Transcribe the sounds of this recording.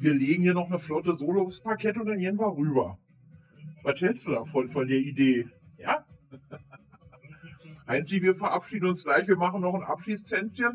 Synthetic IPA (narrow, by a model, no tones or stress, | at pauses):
viːɐleːɡŋ̩hiːɐnɔχnəflɔtəzoːləaʊfspakʰɛtʊntd̥anjenvaʁyːbɐ | vashɛlstd̥udaːfɔnfɔndeːɐideːjaː | haɪnstiːviːɐfɛɐʔapʃiːdn̩ʊnsɡ̥laɪçv̥iːɐmaχn̩nɔχnʔa̰pʃiːstʰɛnt͡sjən